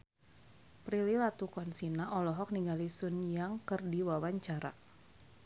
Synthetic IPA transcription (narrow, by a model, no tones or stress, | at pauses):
pɾililat̪ukɔnsinaʔɔlɔɦɔk̚niŋɡalisunjaŋkərdiwawaɲt͡ʃaɾa̰